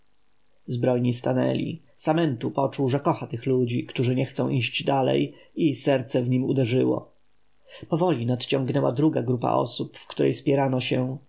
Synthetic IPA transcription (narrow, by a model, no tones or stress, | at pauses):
zbɾɔjɲist̪anɛ̰lʲḭ | samɛnt̪upɔt͡ʂuwʐɛkɔxat̪ɘxlud͡ʑikt̪uʐɘɲɛxt̪sɔ̃w̃ʔiɕd͡ʑd̪alɛ̰jisɛɾt̪sɛvɲimud̪ɛʐɘwɔ̰ | pɔvɔlʲinat̪t͡ɕɔŋɡnɛwa̰d̪ɾuɡaɡɾupa̰ʔɔ̰supfkt̪uɾʔɛ̰jspʲjɛɾanɔɕɛ